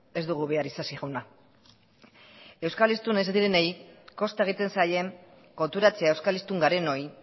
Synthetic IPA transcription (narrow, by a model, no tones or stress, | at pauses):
e̞zd̪uɣ̞uβe̞aɾisasiɣuna | e̞wskalist̪unesd̪iɾenejko̞st̪ae̞ɣ̞it̪e̞nsaje̞ŋ | ko̞nt̪uɾat͡se̞ae̞wskalist̪uŋɡaɾe̞no̞j